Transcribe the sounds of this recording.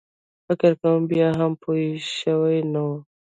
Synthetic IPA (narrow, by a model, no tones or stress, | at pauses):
fɪkəɾkawmbjaɦampʰoiʃəwajnawu